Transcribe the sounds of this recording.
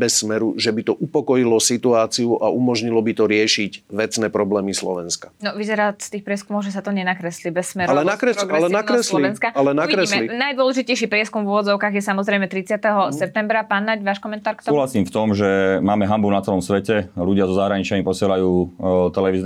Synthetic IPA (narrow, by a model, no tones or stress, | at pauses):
bɛsːmɛɾuʒɛbit̪ɔʔupɔkɔjilɔsit̪uaːt͡siuʔaumɔʒɲilɔbit̪ɔɾɪɛʃiɟʋɛt͡snɛpɾɔblɛːmislɔ̰ʋɛnskanɔʋizɛɾast̪iːxpɾɪɛskumɔʊʒɛsat̪ɔɲɛnakɾɛslibɛsːmɛɾalɛnakɾɛsɾɾalɛnakɾɛsllɔiɛnskaalɛnaikɾɛmɛlinajd̪ʊɔlɛʒicɛjʃipɾɪɛskumvuʋɔd͡zɔʊkaːɣjɛsamɔzɾɛjmɛt̪ɾit̪t͡sɪat̪ɛɦɔsɛp̚t̪ɛmbɾapanːaɟʋaːʃkɔmɛnt̪aːɾkt̪uːɦlasiːmft̪ɔmʒɛmaːmɛɦambunat͡sɛlɔmsʋɛcɛluɟɪazɔzaɦɾaɲit͡ʃamipɔsɪɛlajuːt̪ɛlɛʋiːzn